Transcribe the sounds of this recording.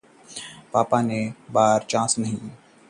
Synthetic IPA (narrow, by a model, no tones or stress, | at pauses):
paːpanebaːɾt͡ʃãːsnɐɦĩ